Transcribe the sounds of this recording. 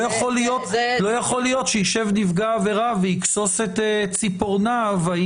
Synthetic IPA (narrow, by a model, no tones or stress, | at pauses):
jaχoljot̪lojaχo̞lijo̞tʃejiʃe̞vnivɡaːve̞ʁaveikso̞set̪et͡sipoʁnavai